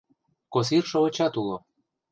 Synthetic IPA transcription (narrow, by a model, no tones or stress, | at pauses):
kos̬irʃoŏt͡ɕɑt̪ulo